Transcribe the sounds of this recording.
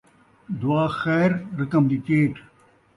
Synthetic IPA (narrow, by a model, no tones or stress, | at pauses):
d̪uaːxɛːɾɾɐkɐmd̪ikeːʈ